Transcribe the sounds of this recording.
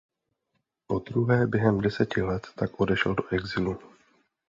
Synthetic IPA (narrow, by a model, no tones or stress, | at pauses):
po̞d̪ɾuɦɛːbjɛɦɛmdɛsɛcɪlɛt̪ːakʔo̞dɛʃldo̞ʔɛɡzilu